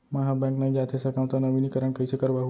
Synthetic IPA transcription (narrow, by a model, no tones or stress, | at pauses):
məɦabɛ̃knaĩd͡ʒat̪ʰesəkaʋt̪anəʋinikəɾəɳkəisəkəɾʋaɦ